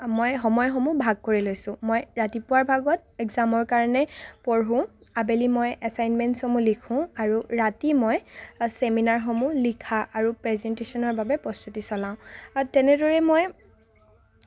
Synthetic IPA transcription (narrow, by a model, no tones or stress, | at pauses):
mojxɔmɔjxɔmubʱaɡ̚koɹilojsʊ̃mojɹatipʊwaɹbʱaɡɔt̚ɛɡzamɔɹkaɹɔnɛpɔɹɦũ | abelimojasajnmɛntsɔmulikʰʊ̃aɹuɹatimojseminaɹxɔmulikʰaʔaɹupɹɛzɛntesɔnɔɹbabɛpɹɔst̪utisɔlãʊ̃tɛnɛdɔɹɛmoj